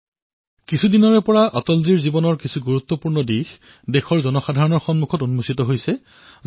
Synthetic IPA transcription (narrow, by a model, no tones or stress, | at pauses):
kisʰudinɔɹɛpɔɹaʔɔtɔlziɹzibɔnɔɹkisʰuɡuɹut̪ːɔpuɹnɔdix | dexɔɹzɔnɔxadʱaɹɔnɔɹxɔnmukʰɔtunumusitɔɦojsɛ